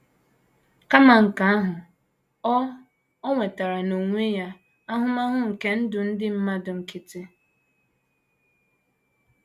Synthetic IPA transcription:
ka˦ma˨ŋ̩˨ka˨a˦ɦʊ˨ | ɔ˦ | ɔ˦ŋʷe˨ta˨ɾa˨no˨ŋʷe˦ja˦ | a˦ɦʊ˦ma˦ɦʊ˦ŋ̩˨ke˦n̩˦dʊ˨n̩˦dɪ˦m̩˦ma˦dʊ˨ŋ̩˨ki˦ti˦

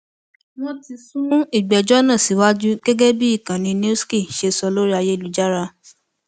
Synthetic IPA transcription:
w̃ɔ̃˦ti˧sũ˦i˦˨ɡ͡bɛ˨d͡ʒɔ˦nã˦˨si˨˦wa˦d͡ʒu˦ɡ̥ɛ˦ɡɛ˦bi˦i˦˨kã˨nĩ˧n˦ski˦˨ʃe˧sɔ˧lo˦ɾi˦a˧je˦˨lu˨˦d͡ʒa˦ɾa˧

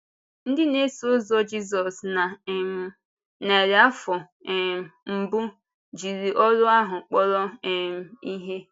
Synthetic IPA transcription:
n̩˦dɪ˦ne˦so˦zɔ˦d͡ʒi˦zɔ˨sna˨˦ | ne˨ɾa˦fɔ˨ | m̩˦bʊ˦ | d͡ʒi˨ɾi˨ʔɔ˦lʊ˦a˦ɦʊ˨k͡pɔ˦ɾɔ˦˨m̩˨i˦ɦe˦

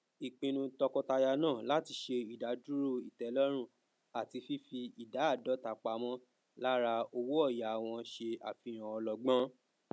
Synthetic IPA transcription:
i˨k͡pĩ˧nũ˧tɔ˧kɔ˧ta˧ja˧nãː˦˨la˨˦ti˧ʃe˧i˨da˨˦du˦ɾo˦˨i˨tɛ˨˦lɔ˦ɾ̃ũ˦˨ | a˨ti˧fi˦fi˧i˨da˨˦a˦˨dɔ˨˦ta˨˧k͡pa˧mɔ̃˦ | la˦ɾa˧o˧wu˦ɔ˦˨ja˨a˨w̃ɔ̃˧ʃe˧a˨fi˨˧˦ɾ̃ã˨ɔ˧lɔ˧ɡ͡bã˦

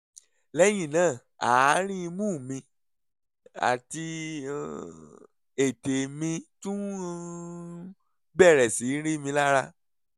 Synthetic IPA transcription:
lɛ˦j̃ĩ˦˨nãː˦˨ | a̰˨˦ɾ̃ĩ˦˧mũː˦˨mĩ˧ | a̰˨ti˧ | e˨te˨mĩ˧tũ˦ | bɛ˦˨ɾɛ˨si˨˦ɾi˦˨mĩ˧la˦ɾa˧

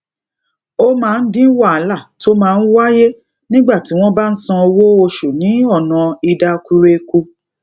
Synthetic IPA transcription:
o˦mãː˦˧n̩˦dĩ˦wa˦˨a˨˦la˦˨to˦mãː˦˧n̩˦wa˦je˦ | nĩ˦ɡ͡ba˦˨ti˨˦w̃ɔ̃˦ba˦n̩˦sɔ̃˧o˧wo˦o˧ʃu˨nĩ˨˦ɔ˦˨nã˨i˧da˧ku˧ɾe˧ku˧

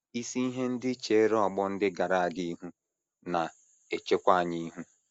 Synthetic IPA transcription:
i˦si˦i˦ɦe˦n̩˦dɪ˦t͡ʃe˨˦ɾɔ˨ɡ͡bɔ˦n̩˦dɪ˦ɡa˨ɾa˨a˨ɡi˦i˦ɦu˦ | na˨ | e˨t͡ʃe˦kʷa˦a˨ɲi˦ɦu˦

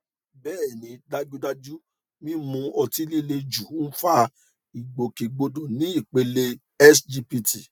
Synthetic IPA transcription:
bɛː˦˨nĩ˨˧da˦d͡ʒu˦da˦d͡ʒu˦ | mĩ˦mũ˧ɔ˧ti˦li˦le˧d͡ʒu˨˦fa˦ | i˨ɡ͡bo˨ke˨ɡ͡bo˧dõ˨nĩ˨˦i˦˨k͡pe˨˧le˧ | ɛ˦sd͡ʒi˧pi˧ti˨

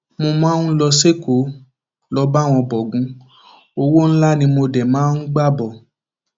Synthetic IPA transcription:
mo˧mãː˦n̩˦lɔ˧se˦ko˨˦ | lɔ˧ba˦˨w̃ɔ̃˧bɔ˨ɡũ˨˧˦ | o˧wo˦n̩˦la˦nĩ˧mo˧dɛ˨mãː˨˦n̩˦ɡ͡ba˦˨bɔ˨

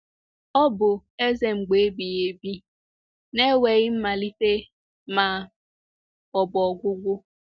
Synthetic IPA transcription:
ɔ˦bʊ˨e˦ze˨ŋ͡m̩˨ɡ͡be˨e˦bi˨je˨bi˦ | ne˦we˨ɣɪ˦m̩˦ma˨li˦te˦ | ma˨ | ɔ˨bɔ˨ɡʷʊ˦ɡʷʊ˦

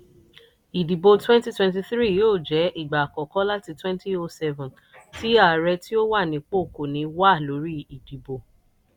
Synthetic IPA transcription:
i˨di˨bo˧twɛ̃˦nti˦twɛ̃˧nt̬i˧θɾi˦jo˦˨d͡ʒɛ˨˦ʔi˦˨ɡ͡ba˨kɔ˨kɔ˨˦la˦ti˧twɛ̃˦nti˦o˧sɛ˦vɔ̃˨n | ti˨˦a˦˨ɾɛ˧ti˦o˦wa˦˨nĩ˨˧k͡po˦˨ko˨nĩ˨˧wa˦˨lo˨˦ɾi˦i˨di˨bo˧

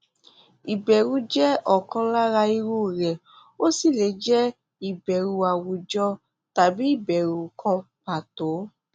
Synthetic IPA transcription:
i˨bɛ˨ɾu˦d͡ʒɛ˦ɔ˨kɔ̃˧la˦ɾa˧i˧ɾu˦˨ɾɛ˨ | o˦si˦˨le˨˦d͡ʒɛ˦ | i˨bɛ˨ɾu˧a˨wu˨d͡ʒɔ˧˦ | ta˨bi˦i˦˨bɛ˨ɾu˧kʰɔ̃˧pa˨to˨˦

